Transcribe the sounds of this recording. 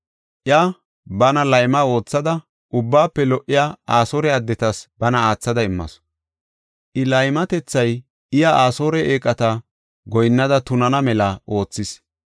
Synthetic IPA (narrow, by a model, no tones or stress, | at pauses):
ʔɪa | bɐnɐlɐjmɐo̞ːt͡sːɐd̪ɐ | ʔʊbːaːpːɛlɔʔɪjaaːsoːɾɛɐd̪ːɛt̪ɐsbɐnɐaːt͡sːɐd̪ɐɪmːɐ̰s | ʔɪlɐjmɐt̪ɛt͡sːɐj | ɪjaaːso̞ːɾɛʔeːkʼɐt̪ɐ | ɡɔjnːɐd̪ɐt̪ʊnɐnɐmɛlɐʔo̞ːt͡sːɪs